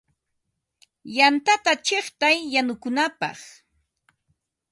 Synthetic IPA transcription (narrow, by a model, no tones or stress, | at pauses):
jant̪at̪at͡ʃeχt̪ajːanʊkʊnapɑ̰χ